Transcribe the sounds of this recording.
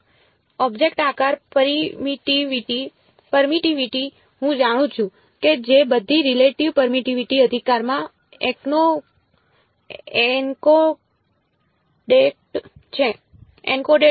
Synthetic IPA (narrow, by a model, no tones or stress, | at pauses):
ɔbd͡ʒekʈakaɾpɾiiʈiʋiʈi | pəɾmiʈiʋiʈi | ɦũd͡ʒaɽ̃ũt͡ʃʰũ | ked͡ʒebəd̪ʱːiɾileʈiʋpəɾmiʈiʋiʈiəd̪ʱikaɾmã | ekno | eko | ɖeʈt͡ʃʰe | ḛnkoɖe